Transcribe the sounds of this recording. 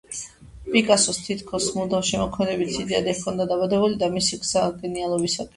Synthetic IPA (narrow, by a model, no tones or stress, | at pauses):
pʼikʼasɔst̪ʰit̪ʰkʰɔsmud̪afʃɛmɔkʰmɛd̪ɛbit̪ʰsid̪ɛad̪ɛkʰɔnd̪ad̪abad̪ɛbulid̪amisiɡz̥aɡɛnialˠɔbisakʼ